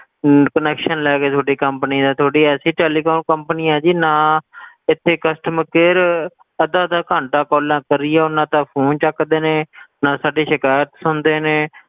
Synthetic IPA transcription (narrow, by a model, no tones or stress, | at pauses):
kənɛːkʃənlɛːkeːt̪ʰoːɖiːkəmpniːd̪aːt̪ʰoːɽiːɛːsiːʈɛːliːkoːnkəmpniːɛ̃ːd͡ʒiːnaː | ɪt̪ʰːeːkəsʈəmkeːɾ | əd̪ãːd̪aːkãːɳʈaːkɔːlãːkəɾɪːɛːʊnãːt̪ãːpʰoːnt͡ʃəkd̪eːnẽːnãːsaːɖeːʃɪkaːjət̪sʊnd̪eːneː